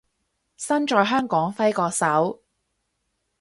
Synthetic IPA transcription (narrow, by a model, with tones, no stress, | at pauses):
sɐ˥nt͡ʃɔː˧jɦœː˥ŋkɔː˨˥ŋfɐ˥jkɔː˧k̚sɐ˨˥w